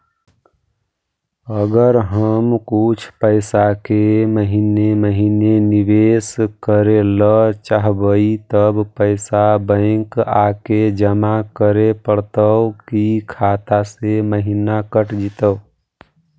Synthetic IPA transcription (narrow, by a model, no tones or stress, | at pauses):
əɡəɾɦəmkut͡ʃʰpəɪsakeməɦineməɦinenibeskəɾelət͡ʃaɦbəit̪əbpəɪsabə̃ɪ̃kaked͡ʒəmakəɾepəɽt̪əʊkikʰat̪aseməɦinakəʈd͡ʒit̪ə